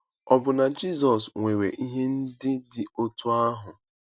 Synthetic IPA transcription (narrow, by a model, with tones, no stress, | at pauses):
ɔ˨bʊ˨na˨d͡ʒi˦˨z̬ɔ˨sŋʷe˨ɾe˨ʔi˦ɦe˦n̩˦dɪ˦dɪ˦o˦tu˦a˦ɦʊ˨